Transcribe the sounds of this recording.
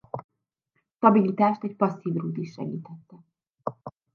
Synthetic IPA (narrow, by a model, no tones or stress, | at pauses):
ʃt̪ɒbilit̪aːʃt̪ɛc̚pɒsːiːvruːt̪iʃːɛ̰ɡḭːt̪ɛt̪ːɛ